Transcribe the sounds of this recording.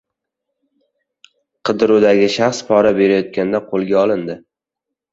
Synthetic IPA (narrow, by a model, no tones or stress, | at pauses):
qʰɨd̪ɾud̪aɡʲɪʃaχspʰɒɾabe̞ɾajɒt̪̚kʲand̪aqʰolˠɡʲaɒlˠɪnd̪ɪ